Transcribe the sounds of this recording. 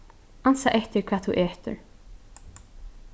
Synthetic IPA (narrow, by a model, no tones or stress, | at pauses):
ansaʔɛht̪ɪɾkʰvaːθʰuʔeːht̪ʊ̰ɹ